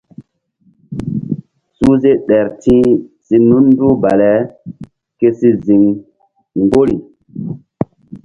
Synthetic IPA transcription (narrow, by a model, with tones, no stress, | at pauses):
su˦ze˦ɗɛ˨ɾtĩ˦si˦nu˦nː˦du˦ba˨lɛ˨˦ | ke˦si˦zi˨ŋ | ŋɡo˦ɾi˨